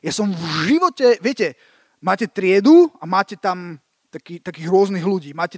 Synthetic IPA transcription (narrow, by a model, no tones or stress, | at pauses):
jasɔmvʒiʋɔcɛʋɪɛcɛ | maːcɛt̪ɾɪɛd̪uamaːcɛt̪am | t̪akiːt̪akiːɣɾʊɔzniɣluɟiːmaːcɛ